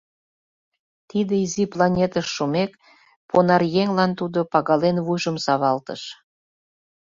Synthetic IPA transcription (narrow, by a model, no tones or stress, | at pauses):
t̪id̪eiziplɑnʲet̪əʃːumek | pʰonɑrjeŋlɑnt̪ud̪opɑɣɑlenvujʒə̆msɑβɑlt̪ə̰ʃ